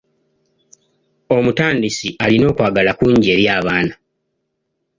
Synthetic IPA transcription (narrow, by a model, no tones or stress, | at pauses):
o̞mutaːndisialino̞ːkwaːɡalakuɲɟe̞ɾjaːβaːna